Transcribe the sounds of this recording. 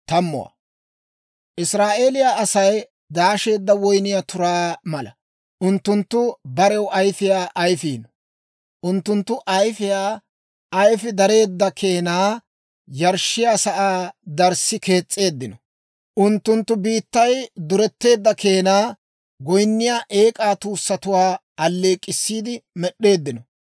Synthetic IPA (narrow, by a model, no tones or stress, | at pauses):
t̪ɐmːʊ̰w̰ | ʔɪsɾaːʔe̞ːlɪjaːɐsɐj | d̪aːʃe̞ːd̪ːɐwɔjnɪjat̪ʊɾaːmɐlɐ̰ | ʔʊnt̪ːʊnt̪ːʊbɐɾɛwʔɐjfɪjaːʔɐjfiːnɔ | ʔʊnt̪ːʊnt̪ːʊʔɐjfɪjaː | ɐjfɪd̪ɐɾe̞ːd̪ːɐkʰe̞ːnaː | jɐɾʃːɪjaːsɐʔaːd̪ɐɾsːɪke̞ːt͡sʼːe̞ːd̪ːɪnɔ | ʔʊnt̪ːʊnt̪ːʊbiːt̪ːɐjd̪ʊɾɛt̪ːe̞ːd̪ːɐkʰe̞ːnaː | ɡɔjnːɪjaːʔe̞ːkʼaːt̪uːsːɐt̪ʊwaː | ɐlːeːkʼːɪsːiːd̪ɪmɛɗːe̞ːd̪ːɪnɔ